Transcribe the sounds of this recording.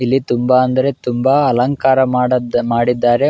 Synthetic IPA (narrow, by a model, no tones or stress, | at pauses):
ilːit̪umbaɐnd̪ɐɾe̞t̪umbaɐlɐŋkaːɾɐmaːɽid̪ːaːɾe̞